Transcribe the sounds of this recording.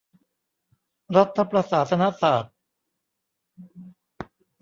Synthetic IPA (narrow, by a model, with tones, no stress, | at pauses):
ɾa˦˥t̪ʰːa˧pɾa˧saː˩˦t̪ʰa˧na˦˥saː˨˩t̪̚